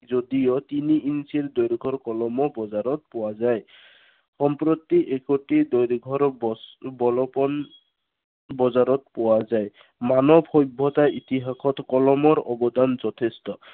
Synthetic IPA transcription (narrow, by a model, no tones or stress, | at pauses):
zodijɔt̪iniinsiɹd̪ojɾɡʱɔɹkɔlɔmɔbɔzaɹɔt̪̚pʊwazaj | xɔmpɹot̪iʔekoʈidɔjɾɡʱɔɹbbɔlɔpɔn | bɔzaɾɔt̪̚powazaj | manɔbʱhɔjbʱːɔt̪aʔit̪iɦakʰɔtkɔlɔmɔɹɔbɔdanzɔtʰestɔ